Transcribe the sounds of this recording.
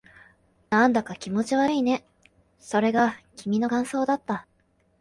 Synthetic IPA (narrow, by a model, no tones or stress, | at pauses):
nãnd̪akakʲimo̞t͡ɕiβaiːne̞ | so̞ɾe̞ɡakʲʰimʲino̞kãɰ̃so̞ːd̪at̪ːa